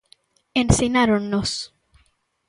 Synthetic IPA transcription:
ensenaɾonːos

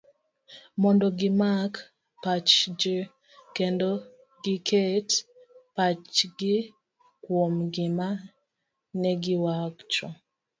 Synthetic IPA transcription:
mɔndɔɡɪmak | pat͡ʃd͡ʒə | kendo | ɡɪkʰet | pat͡ʃɡɪ | kwomɡɪma | nɛɡɪwakt͡ʃɔ

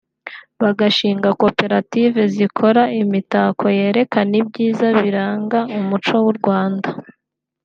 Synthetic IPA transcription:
βaɡaʃiːŋɡako̞pe̞ɾative̞zikʰo̞ɾaimitaːkʰo̞je̞ːɾe̞kanib̚ɟiːzaβiɾaːŋɡaumut͡ʃo̞wuɾɡwaːnda

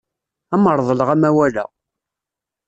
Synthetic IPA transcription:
æməɾˤðˤələʁæmæwælæ̰

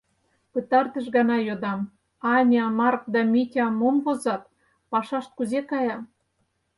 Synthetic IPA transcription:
pət̪ɑrt̪ə̆ʃ̬ɡɑnɑjod̪ɑm | ɑnʲɑmɑrk̚d̪ɑmʲitʲɑmomvozɑt̪̚ | pɑʃɑʃt̪̚kuzekɑjɑ

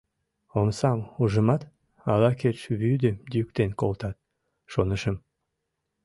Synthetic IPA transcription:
onsɑmuʒəmɑt̪ | ɑlɑket͡ʃβyd̪əd̪yk̚t̪enkolt̪ɑt̪̚ | ʃonəʃəm

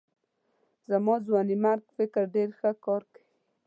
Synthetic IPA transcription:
zamɑzwɑnimaɾɡfɪkɾɖeɾxəkɑɾkḁwi

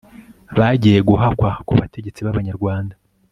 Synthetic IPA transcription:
βaɟije̞ɡuɦakwakuβate̞ɟe̞t͡siβaβaɲaɾɡwaːnda

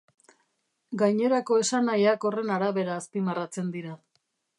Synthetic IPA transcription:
ɡajɲe̞ɾako̞e̞sanajako̞re̞naɾaβe̞ɾaːspimarat͡se̞nd̪iɾa

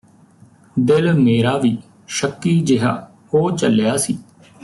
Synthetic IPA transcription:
d̪ɪlmeːɾaːʋiː | ʃəkːiːd͡ʒɪɦa̰ː | hoːt͡ʃəljaːsiː

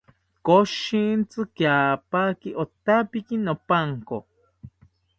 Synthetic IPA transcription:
koʃint͡sɨkjapakiʔot̪apikinopaŋko

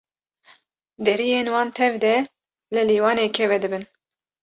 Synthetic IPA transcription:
d̪ɛɾijeːnwɑːnt̪ʰɛvd̪ɛ | lɨliːwɑːneːkʰɛvɛd̪ɨbɨn

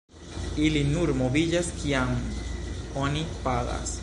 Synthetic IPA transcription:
ilinuɾmo̞vid͡ʒaskiam | o̞nipaɡa̰s

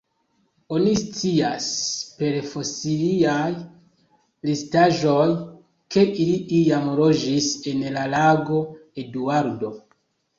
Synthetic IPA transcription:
onist͡siaspe̞ɾfosiliaj | listaʒo̞j | ke̞ʔiliʔijamlo̞d͡ʒise̞nlalaɡo̞e̞duaɾdo̞

